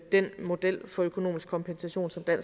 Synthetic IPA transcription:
d̥en̰mo̝d̥el̰fɒ̽økʰo̝no̝̰ːmisɡ̥kʰɒ̽mpʰensæɕo̝̰ːnsɒ̽md̥æn̰

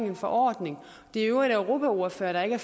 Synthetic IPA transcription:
ŋenfɒ̽ʔɒ̰ːd̥ne̝ŋ | d̥e̝æøʊiɾ̥æʊʁo̝ːpʰæo̝ɐføːɐɾ̥ɑ̈e̝ɡ̥əæɐ

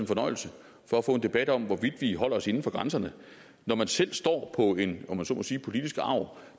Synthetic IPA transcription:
enfɒ̽nɒ̽ɪ̰l̩sə | fɒæfɔ̰̽ːe̝nd̥e̝b̥æd̥ɒ̽m̰ʋɒʋid̥ʋiɦɒ̽l̰ɐɒ̽se̝n̩fɒ̽ɡ̥ʁansɐnə | nɒmænsel̰sd̥ɒ̰ːpʰɒ̽e̝nɒmːænsɔ̰ːmɒ̽siːpʰo̝lid̥isɡ̥ɑ̈ʊ

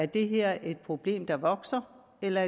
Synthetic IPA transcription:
æɐd̥e̝ɦeɐ̰ʔe̝d̥̚pʰʁo̝b̥le̝̰ːmd̥ɑ̈ʋɒ̽ɡ̥sɐ | elɐæɐ

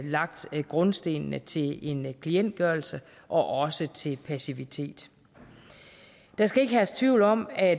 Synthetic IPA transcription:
lɑ̈ɡ̥d̥ɡ̥ʁɔ̽nsd̥e̝̰ːnnət͡sʰe̝le̝nkʰlien̰d̥̚ɡ̥ɶɐlsə | ʔɒ̽ʔɒ̽sət͡sʰe̝lpʰæsiʋit͡sʰe̝̰ːd̥ | d̥ɑ̈sɡ̥æe̝ɡ̥əɦæst͡sʰʋiʊ̰lɒ̽m̰æ

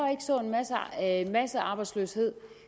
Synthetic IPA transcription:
e̝ɡ̥əsɔ̰̽ːe̝nmæsmæsəɑ̈ːb̥ɑ̈ɪ̥sløːshe̝ð̰ˠ

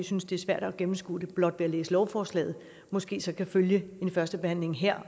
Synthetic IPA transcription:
synsd̥e̝æɐsʋæɐ̰ɾ̥ɒɡ̥emm̩sɡ̥ṵːd̥e̝b̥lɒ̽d̥ʋe̝ælḛːsəlɒʊfɒːslɛ̰ːð̞̩ˠ | mɒ̽sɡ̥e̝̰ːsɒ̽kʰæføljəe̝nfɶɐsd̥əb̥ehæn̰le̝ŋɦeɐ̰

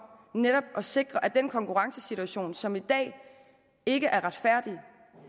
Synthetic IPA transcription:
neɾ̥ɒ̽b̥ʔɒ̽se̝ɡ̥ʁɐʔæd̥enkʰɒ̽ŋkʰuʁɑ̈ŋsəsit͡sʰuæɕo̝̰ːnsɒ̽mid̥ɛ̰ː | e̝ɡ̥əʔæɐʁɑ̈d̥fæɐ̰d̥i

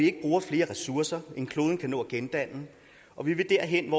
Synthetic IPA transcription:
ie̝ɡ̥əb̥ʁuːɐfle̝ːɐʁɛsuɐsɐe̝nkʰlo̝ːðˠn̩kʰænɔ̰̽ːɡ̥end̥æn̰n̩ | ʔɒ̽ʋiʋe̝d̥æɐ̰ɦenʋɒ

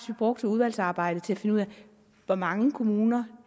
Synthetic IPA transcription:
sʋib̥ʁɔ̽ɡ̥d̥ʰeuð̞ˠʋæl̰sɑ̈ːb̥ɑ̈ɪ̰d̥ət͡sʰe̝æfe̝nəuð̰ˠæ | ʋɒmɑ̈ŋəkʰo̝muːnɐ

